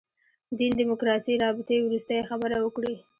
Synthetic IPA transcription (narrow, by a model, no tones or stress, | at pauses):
d̪ind̪imʊkɾɑsiɾɑbɪt̪ewɾust̪ajexabəɾawəkɽi